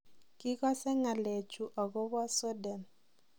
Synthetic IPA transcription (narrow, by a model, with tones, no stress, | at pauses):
kɪ˦kɔ˦sɛ˦ŋa˨le˨t͡ʃu˨ʔɔ˨ɣɔ˦βɔ˦so˦dɛ˨n